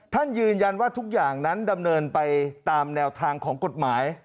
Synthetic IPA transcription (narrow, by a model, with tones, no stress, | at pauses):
t̪ʰa˥˩njɯː˧nja˧nwaː˥˩t̪ʰu˦˥k̚jaː˨˩ŋna˦˥nda˧mnɤː˧npa˧jt̪aː˧mnɛː˧wt̪ʰaː˧ŋkʰɔː˩˦ŋko˨˩t̪̚maː˩˦j